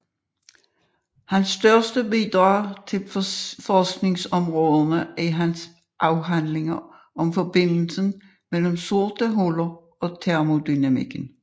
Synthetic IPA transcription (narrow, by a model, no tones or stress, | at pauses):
hænsːd̥ɶɐsd̥əbid̪̥ʁɑ̰̈ːt͡sʰe̝lfɒsɡ̥ne̝ŋsɒ̽mʁɔːðˠɐnəæɦæns | ʔɑ̈ʊɦænle̝ŋɐ | ʔɒ̽mfɒ̽b̥e̝n̰l̩sən̩ | mel̰m̩so̝ɐd̥əɦolɐ | ɒ̽t͡sʰæɐmo̝d̥ynæmḭɡ̥ən̩